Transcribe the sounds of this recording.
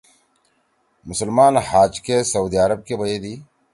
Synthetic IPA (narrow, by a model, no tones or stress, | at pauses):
mʊsəlmaːnhaːd͡ʒkesɐuːd̪iɐɾɐb̚kebɐjed̪iː